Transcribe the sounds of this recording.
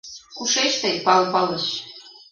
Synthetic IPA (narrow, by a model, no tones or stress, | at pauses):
kuʃet͡ɕt̪ejpɑlpɑlɤ̆ɕ